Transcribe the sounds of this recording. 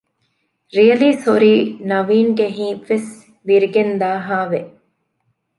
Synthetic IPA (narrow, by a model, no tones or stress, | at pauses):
ɾijɐliːsoɾiːnɐʋiːŋɡeɦĩːʋes | ʋiɾiɡend̪aːɦaːʋe